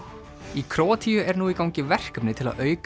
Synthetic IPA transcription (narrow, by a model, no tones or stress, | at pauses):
ikʰɾoːt̪ʰiʏɛɾnuːikawɲcɪvɛr̥kœpnɪt̪ʰɪla̰ðœːɥk